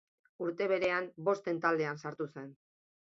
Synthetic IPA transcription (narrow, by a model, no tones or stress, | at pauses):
uɾt̪e̞βe̞ɾe̞ambo̞st̪e̞nt̪ald̪e̞ansaɾt̪use̞n